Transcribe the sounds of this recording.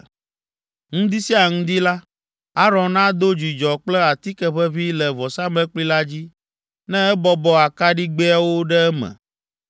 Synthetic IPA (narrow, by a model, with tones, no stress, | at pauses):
ŋũ˦d̪i˦si˦a˨ŋũ˦d̪i˦la˦ | a˦ɾɔ̃˨nnã˦d̪o˦d͡ʒi˨d͡ʒɔ˨k͡plɛ˦a˨t̪i˦kɛ˦ɸɛ˦βi˦lɛ˨vɔ˨sa˦mɛ̃˦k͡pli˦la˦d͡ʑi˦ | nɛ̃˦ɛ˦bɔ˦bɔ˦a˨ka˦ɖi˦ɡ͡be˦a˦wo˦ɖɛ˦ɛ˦mɛ̰˨